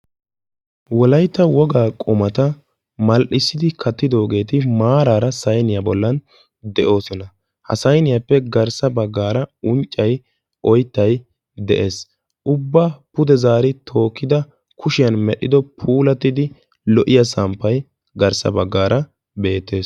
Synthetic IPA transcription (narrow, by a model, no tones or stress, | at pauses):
wɔlɐjt̪ːɐwɔɡaːkʼʊmɐt̪ɐ | mɐlʔɪsːɪd̪ɪkʰɐt̪ːɪd̪o̞ːɡe̞ːt̪ɪmaːɾaːɾɐsɐjnɪjɐbɔlːɐn | d̪ɛʔo̞ːsɔnɐ | hɐ̰sɐjnɪjɐpːɛɡɐɾsɐbɐɡːaːɾɐʊnt͡ʃʼːɐj | ɔjt̪ːɐj | d̪ɛʔe̞ːs | ʊbːapʊd̪ɛzaːɾɪt̪ʰo̞ːkːɪd̪ɐ | kʰʊʃɪjɐnmɛɗɪd̪ɔpʰuːlɐt̪ːɪd̪ɪ | lɔʔɪjɐsɐmpːɐj | ɡɐɾsɐ̰bɐɡːaːɾɐ | be̞ːt̪ːe̞ːs